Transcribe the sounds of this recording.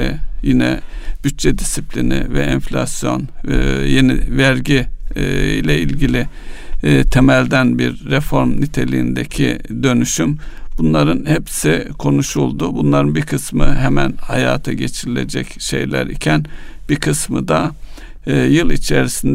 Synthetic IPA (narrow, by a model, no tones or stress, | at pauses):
jinɛ̰b̥yt̪̚t͡ʃɛd̪isiplʲinɪ̰vɛ̰ʔɛnflʲasjo̞̰njenḭvæɾɟi | ilʲɛilʲɟilʲi | t̪ʰemælʲd̪ænbiɾːefo̞ɾmnit̪ʰe̞lʲijind̪ḛcʰḭd̪ø̞nyʃymb̥unlˠaɾɯnhepsikʰo̞nuʃulˠd̪ubunlˠaɾɯnbiɾkʰɯsmɯɦɛmænhajaːt̪ʰaɟe̞t͡ʃʰiɾilʲe̞d͡ʒɛcʃe̞̰jlʲæ̰ɾicʰænb̥ikʰɯsmɯd̪a | jɯlˠit͡ʃʰeɾisind̪